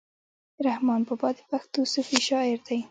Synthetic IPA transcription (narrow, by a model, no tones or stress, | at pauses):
ɾahmɑnbəbɑd̪ɪpaxt̪usufiʃɑɪɾd̪aj